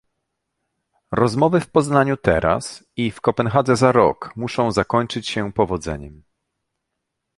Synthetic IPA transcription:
ɾɔzmɔvɘfpɔznaɲut̪ɛ̰ɾʔa̰s | ifkɔpɛnxad̪zɛzaɾɔ̰kmuʂɔ̃w̃zakɔɲt͡ʂɘt͡ɕɕɛpɔvɔd̪zɛ̰ɲɛm

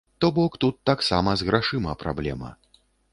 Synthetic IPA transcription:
t̪ɔbɔkt̪ut̪ːaksamɐzɣɾaʂɨmɐpɾa̰blʲɛ̰mɐ̰

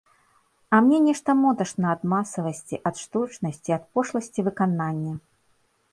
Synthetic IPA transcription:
ɐmnʲɛnʲɛʂt̪ɐmɔd̪ɐʂnɐːd̪masɐvɐsʲt͡sʲiʔɐt̪ʂt̪ut͡ʂnɐsʲt͡sʲiɐt̪̚pɔʂlˠɐsʲt͡sʲivɨkananʲːɐ

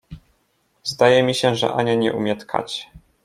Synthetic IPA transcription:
zd̪ajɛmʲiɕɛʐɛ̰ʔaɲaɲɛ̰ʔumʲjɛt̪kʰa̰t͡ɕ

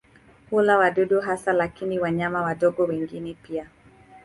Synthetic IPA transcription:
hulawaɗuɗuɦasalakiniwaɲamawaɗɔɡɔwɛŋɡinɛpia

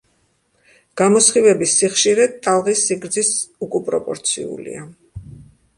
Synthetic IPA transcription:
ɡ̥amɔsχivɛbisiχʃiɾɛt̪ʼalˠʁisiɡɾd̪zisukʼupʼɾɔpʼɔ̰ɾt̪sʰḭṵlḭa

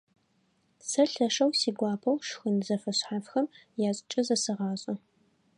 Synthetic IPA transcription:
sɐɬɐʂɐwsiːɡʷɑːpʰɐwʂxɨnzɐfɐɕħafxɐmjaːɕʼɪt͡ʃʼɐzɐsɨʁɑːɕʼɐ

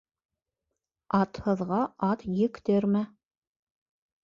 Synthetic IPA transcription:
ɑt̪hɤ̆ðʁɑɑt̪jɘ̆kt̪ɘɾmɘ

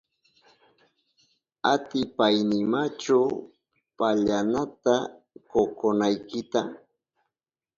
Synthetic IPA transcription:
at̪ɪpajnɪmat͡ʃa | paʎanat̪a | kokonajkɪt̪a

